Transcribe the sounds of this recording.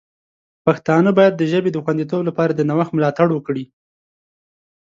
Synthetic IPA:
paxt̪ɑnəbɑjad̪ːəʒəbed̪əxwand̪it̪̬oblapɑɾad̪ənawaxmʊlɑt̪aɽwəkɽi

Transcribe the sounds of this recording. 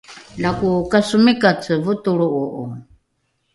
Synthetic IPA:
lakukasumikat͡sɨvut̪uɺuʔuʔṵ

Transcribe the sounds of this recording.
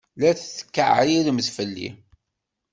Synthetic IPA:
læθθə̥kːəʕilməθfəlːḭ

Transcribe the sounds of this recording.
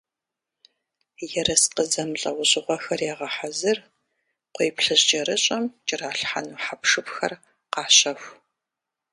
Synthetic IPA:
jɛrɐsqəzɐmɬʼɐ̰wʊɕʼɪʁʷɔxɐrjaːʁɐħazɨr | qʷejpɬɨɕt͡ʃʼɐɾɨɕʼɐmt͡ʃʼɪraːɬħa̰nuːħapʂɨpxɐ̰r | qɑːɕɐfʷ

